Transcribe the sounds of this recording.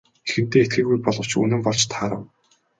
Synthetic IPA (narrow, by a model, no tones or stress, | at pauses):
e̥xɘ̆n̥t̪eːet̪̚ɡɘ̆ːɣujpɔɮɞ̆w̥t͡ɕṵnɘ̆mpɔɮt͡ɕt̪ʰaːɾə̆w